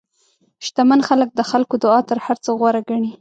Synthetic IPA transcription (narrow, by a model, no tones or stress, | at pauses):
ʃt̪amanxalək̚d̪əxalkod̪ʊɑt̪əɾhaɾt͡səɣwaɾaɡaɳi